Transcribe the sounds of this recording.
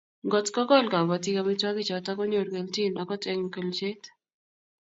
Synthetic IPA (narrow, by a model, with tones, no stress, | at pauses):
ɡɔ˨tkɔ˦ɡɔ˦˨lka˨ba˨ti˦ka˦mi˦tɔ˦kɪ˦t͡ʃɔ˨ta˦kɔ˦ɲo˨ɾke˨lti˦˨na˨kɔ˦tɛ˦ŋ˨kə˨lt͡ʃe˦t